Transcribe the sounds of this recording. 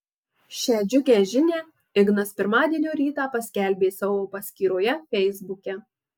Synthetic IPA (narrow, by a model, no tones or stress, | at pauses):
ʃʲæːd͡ʒʲʊkʲæːʒʲɪnʲeː | ɪɡnɐspʲɪɾmɑːd̪ʲiɛnʲuːɾʲiːt̪ɑːpɐsʲkʲæˑlʲbʲeːsɑʋoːpɐsʲkʲiːɾoːjɛfʲɛɪzbʊkʲɛ